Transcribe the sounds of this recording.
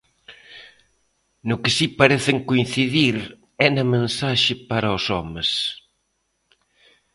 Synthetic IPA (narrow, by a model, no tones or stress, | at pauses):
nʊkɪsipɐɾɛθɪŋkoĩnθiðiɾ | ɛnɐmẽnsaʃɪpaɾɐosɔmɪs